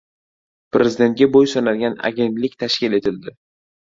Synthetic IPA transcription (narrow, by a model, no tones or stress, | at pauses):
pɾezɪd̪e̞nt̪̚ʲɡʲabojsɒnalɡʲana̰ɡʲe̞nt̪lɪkʲt̪ʰaʃkʲɪle̞t̪ʰɪld̪ɪ